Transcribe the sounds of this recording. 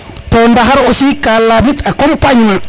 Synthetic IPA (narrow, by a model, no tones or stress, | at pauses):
tɔndaɦaɾɔsikalːabitakɔmpaɲma